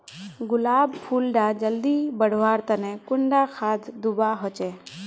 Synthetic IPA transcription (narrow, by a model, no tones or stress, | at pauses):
ɡʊlaːbpʰuːlɖaːd͡ʒəld̪iːbəɽ̤ʋaːɾt̪ənɛkʊɳɖaːkʰaːt̪ʰd̪ʊbaɦot͡ʃeː